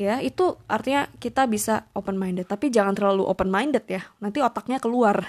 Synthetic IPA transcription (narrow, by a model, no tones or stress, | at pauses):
jait̪uart̪iɲakit̪abisaopənmaindɛt̪ːapid͡ʒaŋant̪ərlaluʔo̰pənmaindɛt̪̚janant̪iot̪ak̚ɲakəluar